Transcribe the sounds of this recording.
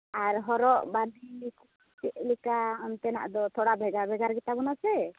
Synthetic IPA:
aɾɦɔɾɔʔbad̪ʱiku | t͡ʃɛʔlikaɔnt̪ɛna̰ʔd̪ɔt̪ʰɔɽabʱɛɡabʱɛɡaɾɡit̪abɔnasɛ

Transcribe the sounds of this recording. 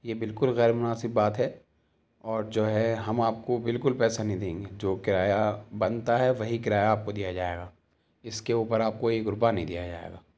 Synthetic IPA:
jebɪlkʊlɣɛːɾmʊnaːsɪbːaːt̪ɦɛ | ɔːɾd͡ʒoːɦɛɦɐmaːp̚kobɪlkʊlpɛːsanɐɦĩd̪ẽːŋɡed͡ʒoːkɪɾaːjabɐnt̪aɦɛʋɐɦikɪɾaːjaaːp̚kod̪ijad͡ʒaːḛːɡaː | ɪskeuːpəɾaːp̚koeɡʊɾbanĩd̪ḭjad͡ʒa̰ːḛːɡaː

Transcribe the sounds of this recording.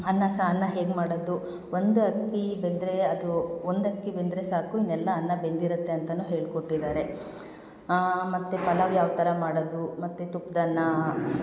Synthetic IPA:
ɐnːɐsɐɐnːɐɦe̞ːɡmaːɽod̪u | o̞nd̪uɐkːibe̞nd̪ɾe̞ɐd̪uond̪ɐkːibend̪ɾesaːkuinːɛlːɐːnːɐbe̞nd̪iɾut̪ːe̞ɐnt̪ɐnuːɦe̞ːɭkoʈːid̪aːɾe̞ | mɐt̪ːupɐlɐʋjaːʋt̪ɐɾɐmaːɽod̪umɐt̪ːut̪upd̪ɐnːɐ

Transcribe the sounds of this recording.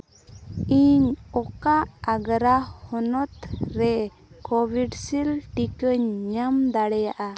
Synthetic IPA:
iɲɔkaʔːɡɾahɔnɔt̪ɾɛ | kɔbʱiɖsilʈikəɲɲamd̪aɽɛjaʔa

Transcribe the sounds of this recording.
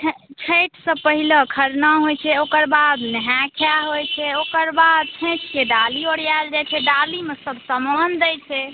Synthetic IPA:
t͡ʃʰəjʈʰsə̃pəɦiləkʰəɾnaɦojt͡ʃʰɛokəɾbad̪nəɦakʰjaɦojt͡ʃʰɛokəɾbad̪̚t͡ʃʰẽt͡ʃkeɖalioɽijald͡ʒajt͡ʃʰɛɖalimesəbʱsəmand̪ɛjt͡ʃʰɛ

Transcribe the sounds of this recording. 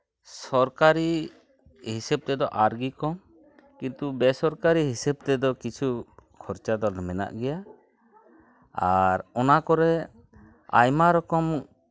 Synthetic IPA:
sɔɾkaɾi | hisɛb̚t̪ɛd̪ɔʔaɾɡikɔm | kint̪ubɛsɔɾkaɾiɦisɛb̚t̪ɛd̪ɔkit͡ʃʰukʰɔɾt͡ʃad̪ɔlɛmɛna̰ʔɡɛja | aɾɔnakɔɾɛ | a̰jmaɾɔkɔm

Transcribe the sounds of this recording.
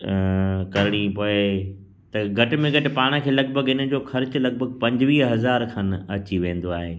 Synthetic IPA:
kɐɾɪɽ̃ipoːɪ | t̪ɐɡʱɐʈɪ̆mẽɡɐʈɪ̆paːɽ̃əkʰeːlɐɡ̚bʱəɡɪnə̆d͡ʑoːxɐɾt͡ɕʊlɐɡ̚bʱəɡ̚pɐ̃ɲd͡ʑʋiːɦɐzaːɾkʰanɐt͡ɕiʋẽːnd̪oaːɦeː

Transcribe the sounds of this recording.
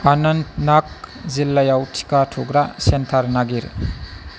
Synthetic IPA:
anɐnnak̚zilːajawtʰi̥katʰuɡɾasentʰaɾnaɡiɾ

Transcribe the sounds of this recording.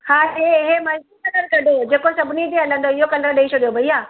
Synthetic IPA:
hãːɦeɪɦemɐlkikɐləɾkɐɖʱod͡ʑeːkosɐbʱɪnid͡ʑ̪eɦɐlə̃nd̪oɪɦokɐləɾɗɐit͡ʃʰoɗijobʱɐiɦaː

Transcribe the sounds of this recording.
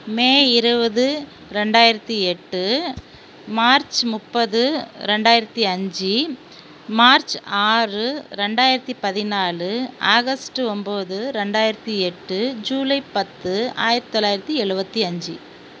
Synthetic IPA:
meːɪɾɯbɐðɯ | ɾɛɳɖaːjɪɾɐt̪ːiɛʈːɯ | maːɾt͡ʃmʊpːɐðɯɾɛɳɖaːjɪɾɐt̪ːiɐɲd͡ʒi | maːɾt͡ʃaːrɯɾɛɳɖaːjɪɾɐt̪ːipɐðɪnaːɭɯaːɣɐsʈɯɔmboːðɯɾɛɳɖaːjɪɾɐt̪ːiɛʈːɯd͡ʒuːlɐɪpɐt̪ːɯa̰ːjɪɾɐt̪ːi̥t̪ɔlːaːjɪɾɐt̪ːiɛɻɯbɐt̪ːiɐɲd͡ʒɯ

